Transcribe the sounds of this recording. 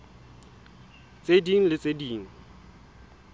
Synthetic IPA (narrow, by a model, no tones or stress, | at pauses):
t͡sʼediŋ̩lɪt͡sʼediːŋ̩